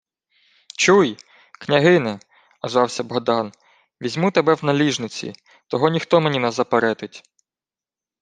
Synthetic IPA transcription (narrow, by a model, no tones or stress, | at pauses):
t͡ʃuj | knʲɐɦɪnɪ | ɐzʋɑwsʲɐbɔɦd̪ɑn | ʋʲizʲmut̪ebɛwnɐlʲiʒnɪt͡sʲḭ | t̪ɔɦɔnʲixt̪ɔmenʲinɐzɐpeɾɛt̪ɪtʲ